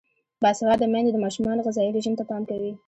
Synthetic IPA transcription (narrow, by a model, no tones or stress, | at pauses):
bɑsawɑd̪ːəmanzed̪əmɑʃumɑnoɣazɑiɾeʒəmt̪apɑmkawi